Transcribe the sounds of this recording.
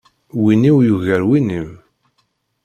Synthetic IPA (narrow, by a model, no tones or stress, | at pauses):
winiwjuʝæɾwinim